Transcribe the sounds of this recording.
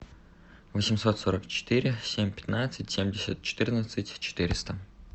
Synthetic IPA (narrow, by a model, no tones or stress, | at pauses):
vəsʲɪmso̞t̪soɾəkt͡ɕɪ̥t̪ɨɾʲɪsʲemʲpʲɪ̥t̪nat̪sɨtʲsʲemʲdʲɪsʲət̪̚t͡ɕɪ̥t̪ɨrnət̪sɨtʲt͡ɕɪ̥t̪ɨɾʲɪst̪ə